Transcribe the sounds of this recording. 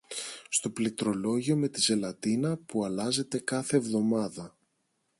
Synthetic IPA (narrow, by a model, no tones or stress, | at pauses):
st̪o̞plit̪ɾo̞lo̞ʝio̞me̞t̪ize̞lɐt̪inɐpuɐlɐze̞t̪e̞kɐθe̞ːvðo̞mɐðɐ